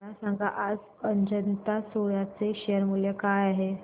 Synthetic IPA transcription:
asãŋɡʱaʔad͡z | əɲd͡ʑənt̪asojat͡seɕejəɾmuljekajaɦe

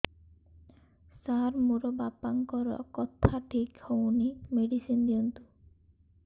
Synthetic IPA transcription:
saɾmoɾɔbapaŋkɔɾɔ̰kɔt̪ʰaʈʰikhownimeɽisind̪iɔnt̪u̥

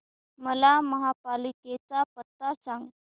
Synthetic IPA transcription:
məlaməɦapaliket͡sapət̪ːasaŋɡ

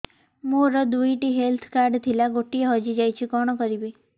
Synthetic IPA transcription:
muɾəd̪uiʈiɦelt̪ʰkaɾɖt̪ʰilaɡoʈieɦɔd͡ʒid͡ʒajt͡ʃʰikɔɽ̃okəɾibi

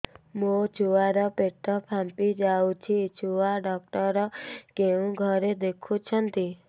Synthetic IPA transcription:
mot͡ʃʰuaɾɔpeʈʰːɔpʰampid͡ʒaut͡ʃʰit͡ʃʰuaɖɔk̚ʈɔɾɔkeũɡʱɔɾed̪ekʰũt͡ʃʰɔnt̪i

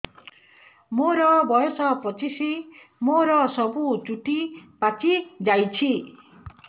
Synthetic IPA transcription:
moɾɔbɔjɔsɔpɔt͡ʃisi | moɾɔsɔbut͡ʃuʈipat͡ʃid͡ʒajt͡ʃʰi

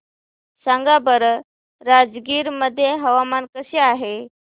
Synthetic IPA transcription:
saŋɡabəɾ | ɾad͡zɡiːɾməd̪ʱːjeɦəʋamankəɕeaɦe

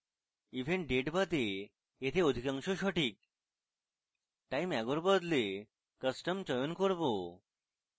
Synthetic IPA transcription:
iʋʱeɳʈ̚ɖeʈbəd̪ʱe | et̪ʰeod̪ʱikãŋʃoɕɔʈik̚ | ʈajmɛɡɔɾbəd̪le | kəsʈəmt͡ɕɔjonkɔɾbo

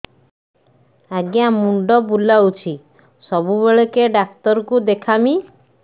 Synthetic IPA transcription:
aɡjamuɳɖɔbulawt͡ʃʰi | sɔbubeɭekeɖak̚t̪ɔɾɔkud̪ekʰami

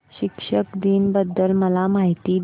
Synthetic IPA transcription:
ɕikʂəkd̪iːnbəd̪ʱːəlməlamaɦit̪iː

